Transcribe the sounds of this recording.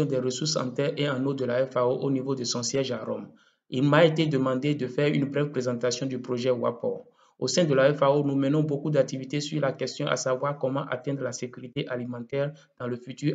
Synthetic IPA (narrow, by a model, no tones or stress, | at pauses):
ɔ̃d̪ɛʁəsuʁsɑ̰̃t̪ɛʁeɑ̃nod̪əlaɛfaoʔonivod̪əsɔ̃sjɛʒaʁɔm | ilmaet̪ed̪əmɑ̃d̪ed̪əfɛʁynbʁɛvpχezɑ̃t̪asjɔ̃d̪ypχoʒɛwa̰pɔ̰ | osɛ̃d̪əlaɛfaonumɛnɔ̃bokud̪ak̚t̪ivit̪esyʁlakɛst̪jɔ̃ʔa̰savwaʁkɔmɑ̃ʔa̰t̪ɛ̃d̪ʁəlasekʲyʁit̪eʔalimɑ̃t̪ɛːʁ | d̪̥ɑ̃ləfyt̪y